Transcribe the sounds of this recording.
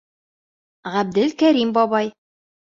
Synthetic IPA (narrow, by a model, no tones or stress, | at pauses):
ʁæb̚d̪ɘlkæɾimbɒβɑj